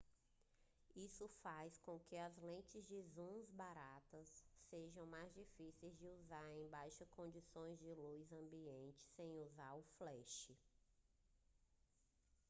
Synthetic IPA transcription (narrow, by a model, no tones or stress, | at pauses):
isʊfajskõkɪɐzlẽt͡ʃɪzd͡ʒɪzũzbaɾat̪ɐsːeʒɐ̃w̃majzd͡ʒifisejzd͡ʒɪuzaɾẽj̃bajʃʊkõd͡ʒisõj̃zd͡ʒɪlujzɐ̃mbiẽnt͡ʃɪ̥sẽj̃uzaɾʊflɛʃɪ